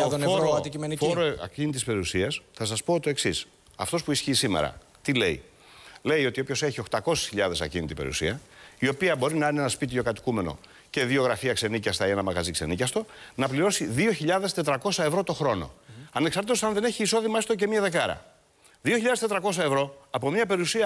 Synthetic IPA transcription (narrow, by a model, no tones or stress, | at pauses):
t̪onfoɾod̪iimenifoɾoɐ̰cinit̪ispe̞ɾiusiɐsθɐs̬ɐspo̞ot̪t̪oe̞ksis | ɐ̰ft̪o̞spuisçiːsimḛɾɐ̰ | t̪ile̞ḭ | le̞jo̞t̪io̞pço̞se̞çio̞xt̪ɐko̞si̥sçiʎɐðe̞sɐcinit̪ipe̞ɾḭṵsiɐio̞piɐbo̞ɾinɐineenɐspit̪̬io̞kɐt̪i̥kume̞no̰ | ce̞ðio̞ɣɾɐfiɐkse̞nicɐst̪ɐienɐmɐɣɐzikse̞̰nicɐst̪o̞nɐpliɾo̞siðio̞çiʎɐðe̞st̪e̞t̪ɾɐko̞sɐe̞vɾo̞t̪o̞xɾo̞no̞̰ɐneksɐɾt̪it̪osɐnðe̞ne̞çiːso̞ðimɐest̪oc̬e̞miɐðe̞kɐɾɐ̰ | ðioçiʎɐðest̪et̪ɾɐko̞s̬ɐe̞vɾo̞ɐpo̞mɲɐpe̞ɾiusiɐ